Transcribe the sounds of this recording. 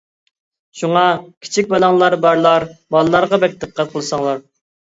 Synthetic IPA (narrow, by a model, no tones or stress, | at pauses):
ʃuŋɑkʲʰi̥t͡ʃʰik̚ʲbɑlˠɑŋlˠɑɾbɑɾlˠɑɾbɑlˠlˠɑɾʁɑbɛk̚ʲd̪̥ɨqʰːɑt̪̚qʰəlˠɨsɑŋlˠɑɾ